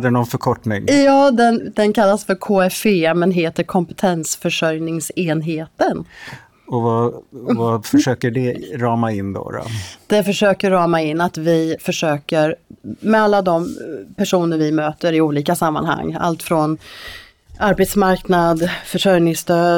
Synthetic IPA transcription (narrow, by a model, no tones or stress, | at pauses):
d̪ɛnɔnfœɾkʰɔʈnɪŋjɑːd̪ɛnd̪ɛnkʰalːasfœɾkʰoːɛfemɛnɦeːt̪əɾkʰɔmpɛ̥t̪ʰɛnsfœʂœɾjnɪŋseːnɦeːt̪ən | ɔvavafœʂøːkəɖɛɾɑːmaɪnd̪ɔ̰ɾɔ̰d̪̥ɛfœʂøːkəːɑːmaɪnːat̪vɪfœʂøːkəɾmɛalːad̪ɔmpʰæʂuːnəɾvɪmøːt̪əɾɪuːliːkasamːa̰nha̰ŋːa̰lt̪fɾɔn | aɾbet̪smaɾknad̪fœʂœɾnɪŋst̪øː